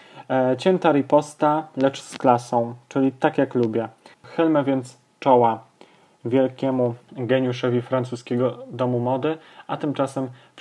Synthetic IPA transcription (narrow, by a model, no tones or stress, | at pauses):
t͡ɕɛnt̪aɾipɔst̪alɛt͡ʂsklasɔ̃w̃t͡ʂɘlʲit̪akjaklubʲjɛxɘlmɛvʲjɛnt̪s | t͡ʂɔwa | vʲjɛlkʲɛmuɡɛɲuʂɔvʲifɾant̪uskʲɛɡɔd̪ɔmumɔd̪ɘat̪ɘmt͡ʂasɛm